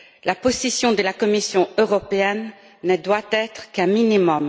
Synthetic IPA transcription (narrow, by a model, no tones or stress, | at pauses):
laposisjɔ̃d̪əlakɔmisjɔ̃øʁɔpeɛnː | əd̪wat̪ɛt̪χkɛ̃minimɔm